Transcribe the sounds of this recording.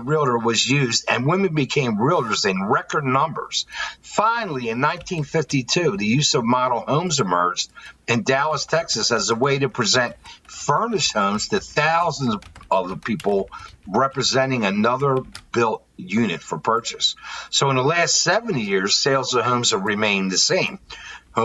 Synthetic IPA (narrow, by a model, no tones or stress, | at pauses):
ɹɪlˠə˞wʌzjʉzdɨ̰̃nwɪ̃mɨ̃nbɨkʰẽɪ̃mɹɪlˠə˞zɨ̃nɹɛkə˞dⁿnʌ̃mbə̰˞z̥fãɪ̃nl̩ˠiɨ̃nːãɪ̃ntʰĩnfɪftitʰʉðɨjʉzʌvmɑɾl̩ˠhõʊ̃mzɨmɜ˞d͡ʒdɨ̃ndælˠəstʰɛksɨsɨzəweɪɾɨpʰɹ̥ɨzɛ̃ntfɜ̃˞nɨʃhõʊ̃mz̥tʰɨθaʊzə̃nzʌvðpʰipl̩ˠɹɛpɹɨzɛ̃ɾ̃ɪ̃ŋɨnʌðə˞b̥ɪlˠt̚jʉnɨtfə˞pʰɜ˞t͡ʃɨsːoʊə̃nðəlæstsɛvɨ̃n̩ijɪɹz̥seɪlˠzʌv̥ɦõʊ̃mz̥əɹɨmẽɪ̃nðɨsẽɪ̃mh